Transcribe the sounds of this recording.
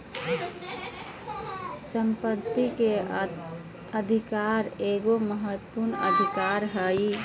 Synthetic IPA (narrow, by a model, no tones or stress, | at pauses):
səmpət̪ːike | əd̪ʱikaːɾeːɡoməɦət̪ːəpuɾnə̰d̪ʱɪkaːɾɦəi